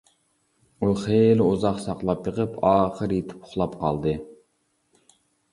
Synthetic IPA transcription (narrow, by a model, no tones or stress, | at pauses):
uχeluzɑχsɑqlˠɑpjəqəpʰɑːχəɾjet̪ʰɪ̥pʰʊ̥χlˠɑpqʰɑ̰lˠd̪ɨ